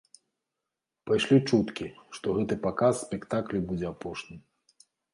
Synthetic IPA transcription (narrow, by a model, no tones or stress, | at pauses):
pajʂlʲit͡ʂut̪kʲiʂt̪ɔɣɛt̪ɨpakasːʲpʲɛkt̪aklʲibud͡zʲɛapɔʂnʲɨ